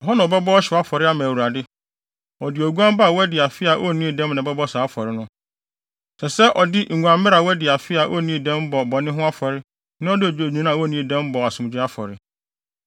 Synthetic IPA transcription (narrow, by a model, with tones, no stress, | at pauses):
ɔ˨ɦɔ˦nã˨ɔ˨bɛ˦bɔ˦ɔ˦ɕɪ˨a˦fɔ˨ɾɪ˦a˦mã˨wu˨ɾa˨dɪ˦ | ɔ˨dɪ˨ɔ˨ɡu˦ã˦m˦ba˦˨wɛ˦dɪ˨a˨fɪ˦a˨ʔɔ˦˨nĩ˦˨dɛ̃˦mnã˨bɛ˦bɔ˦saː˨˦fɔ˨ɾɪ˦nʊ̃˦ | sɛ˨sɛ˦ʔɔ˨dɪ˦ŋ̩˨ɡʷã˨m˦ɪ˦ɾa˨wɛ˦dɪ˨a˨fɪ˦a˨ʔɔ˦˨nĩ˦˨dɛ̃˦m˦bɔ˨bɔ˨nɪ̃˦ɦʊ̃˦a˦fɔ˨ɾɪ˦ | nɪ̃˦ɔ˦dɪ˦ɔ˨d͡ʑo˨ɲĩ˨˦nã˦a˨wɔ˦nĩ˦˨dɛ̃˦m˦bɔ˨a˨sʊ̃˨d͡ʑᶣi˦a˦fɔ̰˨ɾɪ˨